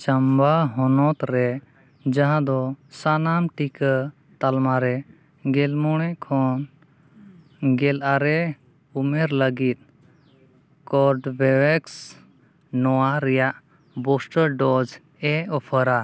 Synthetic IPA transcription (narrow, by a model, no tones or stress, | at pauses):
t͡ʃambaɦɔnɔt̪ɾɛ | d͡ʒãɦãd̪ɔsanamʈikə | t̪almaɾɛ | ɡɛlmɔɽ̃ɛʔkʰɔn | ɡɛlʔaɾɛ | umɛɾləɡit̪̚ | kɔɾɖbɛwɛks | nɔwaɾɛjaʔ | bɔsʈəɾɖɔd͡ʒ | ɛɔpʰəɾa